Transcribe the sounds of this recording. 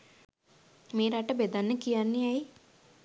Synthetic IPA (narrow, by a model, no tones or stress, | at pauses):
meːɾaʈɐbed̪anːəkijanːijaj